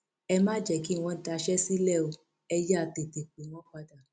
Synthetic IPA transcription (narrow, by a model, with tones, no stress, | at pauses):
ɛ˧mãː˦d͡ʒɛ˨ki˨˦˨w̃ɔ̃˧n̩˦ta˧ʃɛ˦si˦lɛ˦˨o˧ | ɛ˧ja˦˨te˨te˨k͡pe˨˦w̃ɔ̃˦k͡pa˧da˨